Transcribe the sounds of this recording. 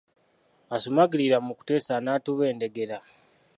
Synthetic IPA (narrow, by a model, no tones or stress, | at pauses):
asumaɡiliɾamuku̥te̞ːsanaːtuβe̞ːnde̞ɡe̞ɾa